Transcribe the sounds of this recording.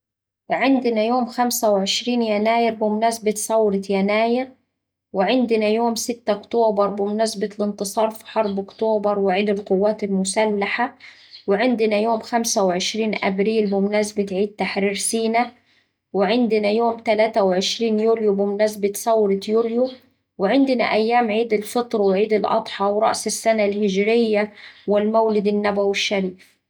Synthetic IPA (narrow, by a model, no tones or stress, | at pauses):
wɪʕɪnd̪ɪnajoːmxamsawʕɪʃɾiːnjanaːjɪɾbɪmʊnasbɪt̪sˤɑwɾɑt̪janaːjɪɾ | wɪʕɪnd̪ɪnajoːmsɪt̪ːaʊkt̪oːbɑɾˤbɪmʊnasbat̪lɪnt̪ɨsˤɑːɾˤfi̥ħɑɾˤbʊkt̪oːbɑɾˤwɪʕiːd̪ɪlqʊwːaːt̪almʊsalːaħa | wɪʕɪnd̪ɪnajoːmxamsawʕɪʃɾiːnʔæbɾiːlbɪmʊnæsbɪt̪ʕiːd̪̚t̪aħɾiːɾsiːna | wɪʕɪnd̪ɪnajoːmt̪alaːt̪awʕɪʃɾiːnjuːljubɪmʊnæs̬bɪt̪sawɾɑt̪juːlju | wɪʕɪnd̪ɪna̰ʔajːaːmʕiːd̪ɪlfɨt̪ˤɾˤwɪʕiːd̪ɪlʔɑ̰t̪ˤħɑwɾˤɑ̰ʔsɪsːanalhɪd͡ʒɾɪjːawɪlmawlɪd̪ɪnːabawɪʃːaɾiːf